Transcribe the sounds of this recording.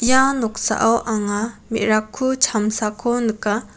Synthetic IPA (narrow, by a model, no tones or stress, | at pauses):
ijanɔk̚sa̰ʔawʔaŋamḭʔ̚ɾakʰːut͡ʃʰamsakʰɔnɯka